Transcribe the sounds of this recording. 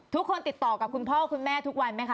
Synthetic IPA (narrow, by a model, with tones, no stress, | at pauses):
t̪ʰu˦˥kʰːo˧nt̪i˨˩t̪ːɔː˨˩ka˨˩kʰu˧npʰɔː˥˩kʰu˧nmɛː˥˩t̪ʰu˦˥k̚wa˧nma˦˥jkʰa˦˥